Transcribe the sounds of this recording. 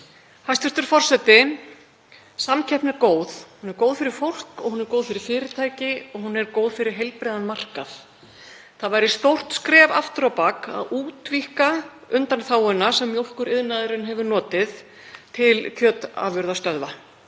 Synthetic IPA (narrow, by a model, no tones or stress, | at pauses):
hajst̪ɪst̪ʏɾ̥fɔr̥sɛt̪ɪ | samcʰɛhpnɛɾkoːwðhunɛɾkowðfɪɾɪɾ̥fowl̥kɔɣhunɛɾkoːwðfɪɾɪɾ̥fɪːɾɪt̪ʰaːjcɪɔɣɦunːɛɾkowðfɪɾɪɾ̥ɦejlpɾejðanmar̥kaθ | θaðvajɾɪst̪owr̥t̪skɾɛːva̰ft̪ʏɾawpaka̰ðuːt̪vihkaʏnt̪anθaːwʏnːasɛmːjowl̥kʏɾɪðnaðɪɾʏnɦɛvʏnɔːt̪ɪð | t̪ʰɪlcʰœːt̪a̰vʏɾðast̪œðva